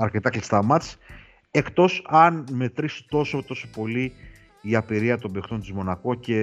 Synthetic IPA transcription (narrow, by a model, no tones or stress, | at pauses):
ɐɾce̞t̪ɐklist̪ɐmɐt̪i̥s | e̞kt̪o̞sɐnme̞t̪ɾisu̥t̪o̞so̞t̪o̞so̞po̞li | iɐpiɾiɐt̪o̞bekt̪o̞nt̪izmo̞nɐko̞ce̞